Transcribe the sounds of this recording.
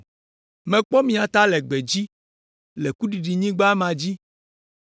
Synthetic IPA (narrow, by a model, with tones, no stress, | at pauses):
mẽ˨k͡pɔ˦mĩ˨a˨t̪a˦lɛ˨ɡ͡be˨d͡ʑi˦ | lɛ˨ku˦ɖi˨ɖi˨ɲĩ˦ɡ͡ba˦mã˨d͡ʑi˦